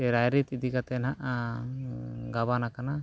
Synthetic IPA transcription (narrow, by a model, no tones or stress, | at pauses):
ɛɾajɾit̪id̪ikat̪ɛnaʔa | ɡaβanakana